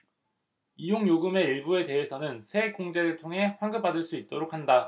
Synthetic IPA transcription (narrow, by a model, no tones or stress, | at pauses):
ijoŋjoɡɯme̞iɭbue̞te̞ɦe̞sʰʌnɯnsʰe̞k͈oŋd͡ʑeɾɯɭtʰoŋɦe̞ɸwaŋɡɯp͈adɯɭs͈uit̚t͈oɾok̚ʰhanda